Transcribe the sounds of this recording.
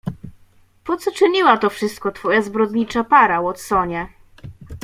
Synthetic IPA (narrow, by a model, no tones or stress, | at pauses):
pɔt̪sɔt͡ʂɘɲiwat̪ɔfʂɘst̪̚kɔt̪fɔjazbɾɔd̪ɲit͡ʂapaɾawɔt̪sɔɲɛ